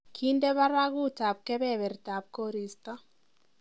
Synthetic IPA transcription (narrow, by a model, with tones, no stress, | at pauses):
kʰi˦nde˦βa˦ɾa˦ɣu˦ta˨p̚kɛ˦bɛ˦˨βɛ˨rta˨p̚ko˦ɾi˨st̪ɔ˦